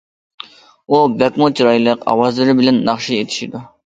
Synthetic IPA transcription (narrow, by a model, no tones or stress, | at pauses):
ubɛkmʊt͡ʃʰiɾɑjlˠəqɑ̰wɑzlˠɨɾɪbɪlɛnːɑχʃiet̪ʰi̥ʃid̪u